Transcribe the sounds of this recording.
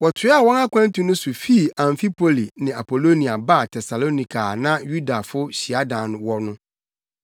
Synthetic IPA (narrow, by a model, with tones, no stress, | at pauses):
wɔ˨tʰɪ˨˦a˦˨wɔ̃˦na˦kʰʷã˦n˦tĩ˦nʊ̃˦sʊ˨fi˦˨ã˨ɱfi˦pʰo˨li˨nɪ̃˨a˨pʰo˨lo˦nĩ˨a˨ba˦˨tʰɛ˨sa˨lo˦nĩ˨kʰa˨nã˦ju˦da˨fʊ˦ɕi˨a˦dã˨ñ˨wɔ˦nʊ̃˦